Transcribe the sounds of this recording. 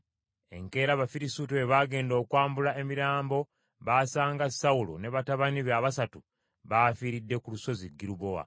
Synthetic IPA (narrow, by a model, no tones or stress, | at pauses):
e̞ŋke̞ːɾaβafiɾisutueβaːɡe̞ːndo̞ːkwaːmbulae̞miɾaːmbo̞ | βaːsaːŋɡasaulo̰ne̞βataβaniβeaβasatu | βafiːɾidːe̞kuluso̞ziɡːiɾuβowa̰